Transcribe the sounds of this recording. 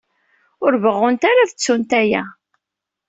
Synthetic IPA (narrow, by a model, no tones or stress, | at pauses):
ʊɾvəʁːʊnt̪aɾaðət͡sːunt̪æjæ